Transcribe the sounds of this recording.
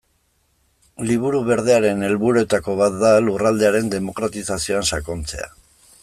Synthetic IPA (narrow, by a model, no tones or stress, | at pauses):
liβuɾuβe̞ɾð̞e̞aɾe̞ne̞lβuɾue̞t̪ako̞βat̪̚d̪alurald̪e̞aɾe̞nd̪e̞mo̞kɾat̪isasio̞ansako̞nt͡se̞̰a̰